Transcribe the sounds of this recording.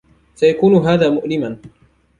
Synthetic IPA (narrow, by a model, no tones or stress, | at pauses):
sajakuːnʊɦaːðaːmʊʔlɪman